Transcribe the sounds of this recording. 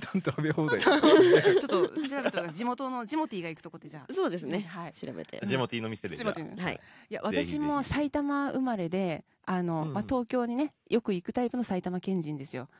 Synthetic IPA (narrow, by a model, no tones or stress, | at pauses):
nãnt̪ohabehoːd̪ai | t͡ɕot̪ːoɕiɾabet̪ːkad͡ʑimo̞t̪o̞no̞d͡ʑimo̞t̪ʲiːɡaikɯ̟t̪o̞ko̞d̪ed͡ʑaːsoːd̪esɨnehaiɕiɾa̰bḛt̪ḛd͡ʑimo̞t̪ʲiːno̞mʲised̪ed͡ʑimoiha̰ḭja̰βat̪aɕimo̞sait̪amaɯ̟maɾe̞d̪e̞ | ano̞mat̪o̞ːkʲo̞ːɲ̟ine̞ | jʔo̞kɯ̟ikɯ̟t̪aipɯ̟no̞sait̪amakẽ̞ɲ̟d͡ʑĩnd̪e̞sɨjo̞̰